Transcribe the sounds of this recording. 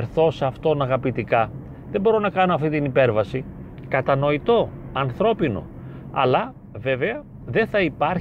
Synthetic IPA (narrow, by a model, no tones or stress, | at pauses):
ɾθo̞sɐft̪o̞nɐɣɐpit̪ikɐ | ðebo̞ɾo̞nɐkɐno̞ɐft̪it̪inipe̞ɾvɐsi | kɐt̪ɐno̞it̪o̞ɐnθɾo̞pino̞̰ | ɐ̰lɐ | ve̞ve̞ɐ | ðe̞nθɐipɐɾ